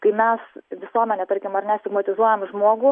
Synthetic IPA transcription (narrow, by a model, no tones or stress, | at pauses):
kɐɪmʲɛsʋʲɪsuɔmʲɛnʲɛt̪ɐɾʲkʲɪmɐɾnʲɛsʲt̪ʲɪɡmɐt̪ʲɪzuɔjɛmʒmoːɡʊ